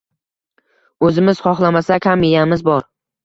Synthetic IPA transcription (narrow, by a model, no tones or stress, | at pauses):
ɵzɪmɪz̥χɒχlˠamasakʲhamejamɪzbɒɾ